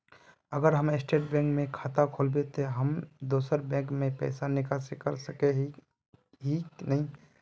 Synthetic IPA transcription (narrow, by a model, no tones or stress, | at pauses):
əɡəɾɦəmɪsʈeːʈ̚bɛ̃ːkmẽkʰaːt̪akʰoːlbet̪oɦəmd̪oːsəɾbɛ̃ːkmẽpɛ̰ːsanɪkasekəɾsəke | ɦinəɦĩ